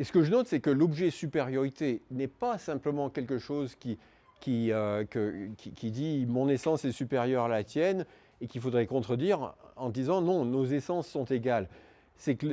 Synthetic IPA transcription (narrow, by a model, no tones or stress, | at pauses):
esə̥kəʒənɔt̪sɛkəlɔbʒɛsypeʁjɔʁit̪enɛpasɛ̃pləmɑ̃kʲɛlkəʃozkʲi | kʲiøkəkʲikʲid̪imɔ̃nesɑ̃sɛsypeʁjœʁalat̪jɛn | ekʲifod̪ʁɛkɔ̃t̪χəd̪iʁɑ̃d̪izɑ̃nɔ̃nozesɑ̃sːɔ̃t̪eɡal | sɛk